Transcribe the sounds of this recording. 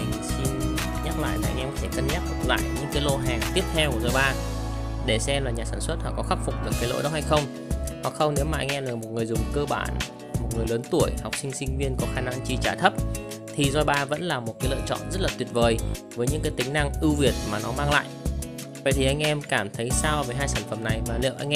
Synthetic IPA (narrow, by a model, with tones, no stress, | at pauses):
i˨˩si˧n | ɲa˦˥k̚la̰ː˧˨jlaː˨ʔa̰˧ŋʔɛ˧mkɔ˨˧t̪ʰe˧˩kə˧nɲa˦˥k̚lə̰˧˩k̚la̰ː˧˨jɲɨ̰˧˥ŋkaː˨˦jlo˧ɦɛː˨˩ŋt̪i˦˥əp̚t̪ʰɛ˧wku˧˩zɔ˧jɓaː˧ | ɗe˧˩sɛ˧mlaː˨˩ɲaː˨˩saː˧˩nswə˦˥t̚hɔ̰˧˩kɔ˨˦xa˦˥p̚fʊ˨˩k͡p̚ɗɨ˨˩ək̚kːaː˨˦jlo̰˧˥jɗə˨˦wha˧jxə˧wŋ͡m | hɔ̰˨˧˨xə˧wŋ͡mne˨˦wmaː˨ʔa˧jŋʔɛ˧laː˨˩mo˨˩t̚ŋɨ˨˩əjzʊ˨˩ŋ͡mkəː˧ɓa̰ː˧˩n | mo˨˩t̚ŋɨ˨˩əjləː˨˦nt̪u˧˩əjha˨˩wk͡p̚sï˧ŋ̟sï˧ŋ̟vi˧ənkɔ˨˦xaː˧˩na˧ŋt͡ɕi˧t͡ɕaː˧˩t̪ʰə˦˥p̚ | t̪ʰi˨˩zɔ˧jɓaː˧və̰˧˥nlaː˨˩mo˨˩t̚kaː˨˦jlə̰ː˧˨t͡ɕɔ̰˧˨nzə˦˥t̚laː˨˩t̪wi˨˩ət̚vəː˨˩jvəː˨˦jɲɨ̰˧˥ŋkaː˨˦jt̪ï˨˦ŋ̟na˧ŋʔɨ˧wvi˨˩ət̚maː˨˩nɔ˨˦maː˧ŋla̰ː˧˨jʔ | və̰˧˨jt̪ʰi˨˩ʔa˧jŋ̟ʔɛ˧mkaː˧˩mt̪ʰə˨˦jsaː˧wveː˨˩jɦaː˧jsaː˧˩nfə˧˩mna˨˩jmaː˨˩lḭ˧˨ʔa˧jŋ̟ʔɛ